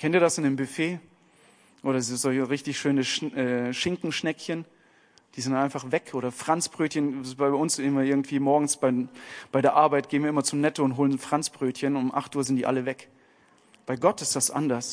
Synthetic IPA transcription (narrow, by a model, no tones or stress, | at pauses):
kʰɛntiːɐdasɪndeːmbʏfeː | ʔoːɾɐzzɔlçʁɪçtɪçʃøːnəʃʔɛːʃɪŋkŋ̩ʃnɛkçən | d̥iːzɪntʔaɪnfaχvɛkʰʔoːɾɐfʁ̥ant͡sb̥ʁøːtçənbaɪʊnszɪmɐʔɪɐɡŋ̩tv̥iːmɔɐɡŋ̩sb̥aɪb̥aɪdeːɐʔaɐbaɪt̚ɡ̥eːn̩viɐɪmɐt͡sʊmnɛtoʊntɦoːlənfʁ̥ant͡sb̥ʁøːtçənʊmʔa̰χtʔuːɐzɪntd̥ḭːʔa̰ləvɛk | b̥aɪɡɔtɪstd̥asʔa̰ndɐs